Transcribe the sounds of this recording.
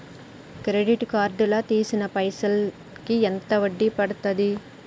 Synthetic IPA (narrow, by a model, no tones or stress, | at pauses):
kɾeɖiʈkaːɾɖulɐt̪iːsinɐpɐjsɐl | kiɛnt̪ɐʋɐɖːipɐɽut̪ːɐd̪i